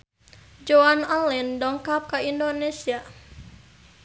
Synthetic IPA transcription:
d͡ʒoanalɛndɔŋkap̚kaindonesia

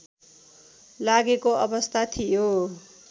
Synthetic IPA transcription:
laɡekoʔʌbʌst̪ʰat̪ʰijo

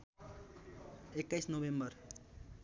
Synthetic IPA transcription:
ekːajsnobembʌr

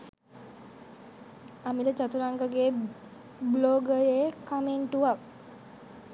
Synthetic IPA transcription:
amilət͡ʃat̪uɾaŋɡəɡeː | bloːɡəjekameɳʈuʋak̚

